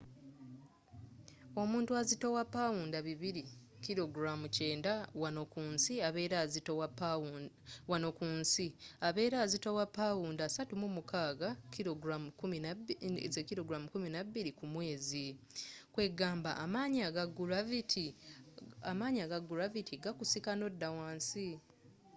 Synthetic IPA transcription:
o̞muːntuazitowapːawuːndaβiβiɾi | kiɾo̞ɡɾamuceːndawanokuːnsiaβe̞ːɾazitowaa | wano̞kuːnsiaβe̞ːɾazitowapːawuːndasatumumukaːɡakiɾoɡɾamukumizekiɾo̞ɡɾamukuminaβːiɾikumwe̞ːzikwe̞ɡaːmba̰ʔːmaːɲaɡaɡuɾavitʰi | amaːɲaɡaɡːuɾavitʰiɡakusikano̞dːawaːnsi

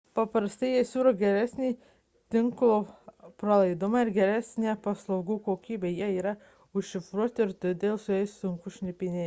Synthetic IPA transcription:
pɐpɾɐst̪ɐɪjiɛsʲuːɾoːɡʲɛɾʲæsʲnʲiː | t̪ʲɪŋklˠopɾɐlˠɐɪd̪ʊmɑɪɾɡʲɛɾʲæsʲnʲeːpɐslˠɐɒʊɡuːkoːkʲiːbʲeːjiɛiːɾɐ | ʊʃːʲɪfɾuɔt̪ʲɪɾt̪ʲʊd̪ʲeːlˠsʊjɛɪsʊŋkʊʃʲnʲɪpʲɪnʲeː

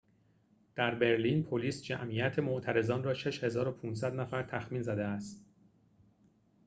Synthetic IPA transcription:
d̪̥æɾbe̞ɾliːnpʰoliːsd͡ʒæ̰mijæt̪ʰe̞moʔt̪ʰæɾe̞zɒːnrɒːʃe̞ʃhe̞zɒːɾo̞pʰuːns̬æd̪næfæɾt̪ʰæxmiːnzæd̪eæst̪

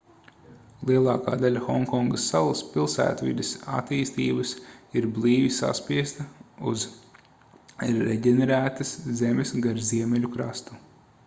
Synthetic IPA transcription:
lˠiɛlˠɑːka̰ːd̪alʲaxɔŋkɔŋɡəsːalˠɐspilˠsæ̰ːt̪vḭd̪esa̰t̪iːst̪iːbɐsiɾblˠiːʋisa̰spiɛst̪ɐuz | ɾːɛɟʲɛnɛɾæːt̪ɐszemʲesɡaɾziɛmʲɛlʲukɾast̪u

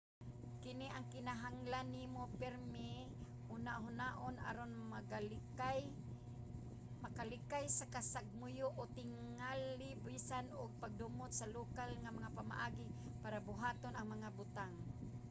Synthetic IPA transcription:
kɪniʔaŋkɪnaɦaŋlanːimopɛɾmɪ | unaʔɦʊnaʔʊna̰ɾonmaɡa | makalɪkajsakasaɡ̚mʊjʊʔʊt̪ɪŋalːɪbisanʊɡ̚paɡ̚dʊmʊt̪salukalŋamaŋapama̰ʔaɡi | paɾabʊɦaːt̪onaŋmaŋabʊt̪aŋ

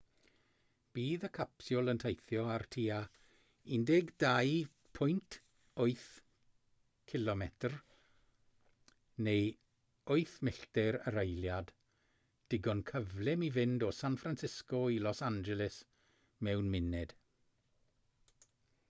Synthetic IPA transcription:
b̥iːðəkʰapsjɔlˠəntʰejθjɔartʰiːa | indɛɡdaj | pʰʊjntʰ | oɨθ | kʰɪlɔmɛtʰr | nej | oɨθmɪɬtɛɾəɾejljad | d̥ɪɡɔnkʰəvlɪmivɪndɔsanfɾansɪskɔilɔsand͡ʒɛlɪs | mɛwnmɪnɛd̥

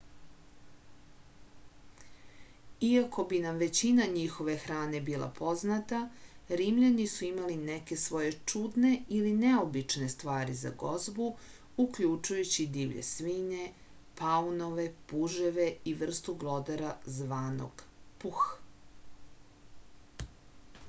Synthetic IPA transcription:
iako̞binamʋe̞t͡ɕinaɲixo̞ʋe̞xɾaːne̞biːlˠa̰pʰo̞znat̪aɾimʎanisuimalineke̞sʋo̞je̞t͡ʂud̪ne̞ilineo̞bit͡ʃne̞st̪ʋaːɾiza̰ɡo̞zbu | ukʎut͡ʃujut͡ɕid̪iːʋʎḛsʋiɲe̞ | paunoʋe̞puʒeʋeiʋr̩st̪uɡlˠo̞d̪aɾazʋaːno̰ɡ̥pux

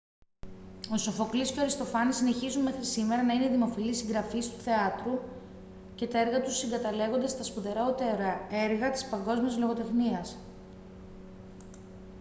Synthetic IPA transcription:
o̞so̞fo̞kliscoɐɾist̪o̞fɐnisine̞çizunme̞xɾisime̞ɾɐnɐineðimo̞filisiŋɡɾɐfist̪u̥θe̞ɐt̪ɾu | ce̞t̪ɐe̞ɾɣɐt̪usiŋɡɐt̪ɐle̞ɣo̞nd̪est̪ɐspuðe̞ɾo̞t̪e̞ɾɐeɾɣɐt̪i̥spɐŋɡo̞zmiɐzlo̞ɣo̞t̪e̞xniɐs

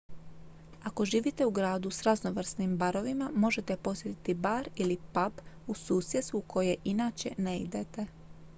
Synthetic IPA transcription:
ako̞ʒiːʋit̪e̞uɡɾaːd̪usɾazno̞ʋr̩snimbaɾo̞ʋimamo̞ʒe̞t̪epo̞sjet̪i̥t̪ibaːɾilipabusuːsjet̪st̪ukʰo̞jeʔinaːt͡ɕe̞̰neḭd̪e̞t̪e̞

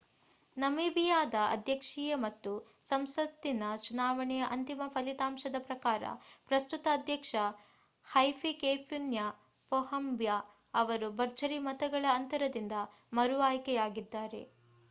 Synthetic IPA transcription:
nɐmibijaːd̪ɐɐ̰d̪ʱjɐkʂijɐmɐt̪ːusɐmsɐt̪ːinɐt͡ʃunaːʋɐɳɛjɐʔɐnt̪imɐpʰɐlit̪aːmʃɐd̪ɐpɾɐkaːɾɐ̰pɾɐst̪ut̪ɐːd̪ʱjɐkʂɐ | hɐjpʰikeːpʰjunjɐ | pɔhɐmbja | ɐʋɐɾubɐɾt͡ʃɐɾimɐt̪ɐɡɐɭɐːnt̪ɐɾɐd̪ind̪ɐ | mɐɾuʋaːjkɛjaːɡid̪ːaːɾe̞̰

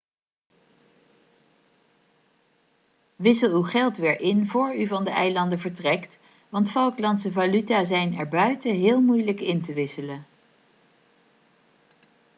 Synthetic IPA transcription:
ʋɪsəlˠywχɛlˠtʋɪːɹʔɪnvʊːɹyvɑndəʔɛjlɑndəvəɹtrɛkt | ʋɑntfɔwklɑntsəvalytaːzɛjnɛɹbœɥtəɦɪːlˠmujləkɪntəʋɪsələ

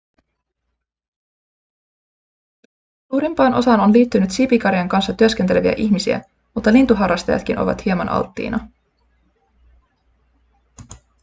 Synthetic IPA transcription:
suːɾimpɑːnʔo̞̰sɑːno̞nliːt̪ːynyt̪sipikɑɾjɑŋkɑnsːɑt̪yøsk̟e̞nt̪e̞le̞ʋiæ̰ʔiçmisiæ̰ | mut̪ːɑlint̪uɦɑrːɑst̪ɑjɑ̰t̪k̟inʔo̞̰ʋɑ̰t̪hiemɑnʔɑ̰lt̪ːḭːnɑ

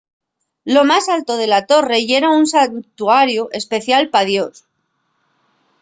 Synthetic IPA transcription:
lo̞masalt̪o̞ð̞e̞lat̪o̞re̞ʝe̞ɾaunsant̪uaɾjuʔe̞spe̞θjalpaðjo̞s

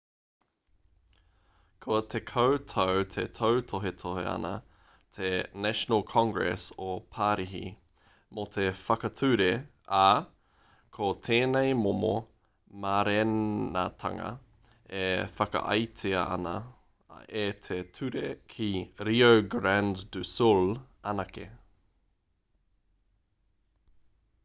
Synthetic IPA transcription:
kʰot̪ʰekʰowtʰowt̪ʰḛt̪ʰowt̪ʰoɦet̪ʰoɦḛɐ̰nɐ | t̪ʰenæʃonəlˠkʰɑ̃ŋɡɹɛ̰sopʰaːɾiɦḭ | mot̪ʰe̞fɐkɐt̪ʰʉɾe | a | kʰot̪ʰeːnejmomo̰ | maɾena̰t̪ʰɐ̰ŋɐ̰ | efɐkɐ̰ʔɐ̰jt̪ʰeɐɐ̰nɐ | et̪ʰetʰʉɾekʰiɾiowɡɾænddʉsul | ɐnɐkḛ

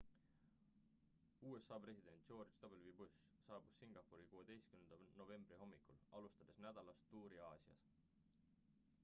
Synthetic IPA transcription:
uːe̞sːɑːpre̞sʲid̪̥e̞nt̪̚ˑːt͡ʃo̞ːrt͡ʃt̪ɑbelvibus | sɑːb̥usːiŋɡ̥ɑpːuɾikuːed̪e̞jskymend̪̥ɑno̞ve̞mbriɦo̞mːikulɑlust̪ɑd̪̥e̞snæd̪̥ɑlɑst̪ːuːɾiɑːsiɑ̰s

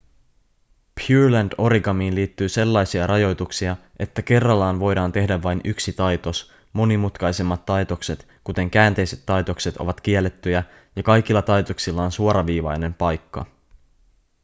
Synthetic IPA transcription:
pʰjuːɹlændo̞ɾiɡɑmiːnliːt̪ːyːse̞lːɑjsiɑɾʔɑjo̞jt̪uksiɑʔe̞t̪ːæke̞rːɑlːɑːnʋo̞jdɑːnt̪e̞hdæʋːɑjnyksit̪ɑjt̪o̞s | mo̞nimut̪kɑjse̞mːɑt̪ːɑjt̪o̞kse̞t̪ | kut̪e̞ŋkæːnt̪e̞jse̞t̪ːɑjt̪o̞kse̞t̪o̞̰ʋɑt̪k̟ielːet̪ːyjæ | jɑkɑjk̟ilːɑt̪ɑjt̪o̞ksilːɑːnsuoɾɑʋiːʋɑjne̞mpɑjkːɑ̰

